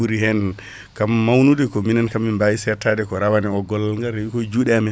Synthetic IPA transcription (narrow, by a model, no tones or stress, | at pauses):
uɾihɛn | kamːawnudɛkɔminankamːimbajisɛɾtadɛkɔɾawanɛɔɡɔlːalŋɡaɾewikɔd͡ʒuːɗɛamɛ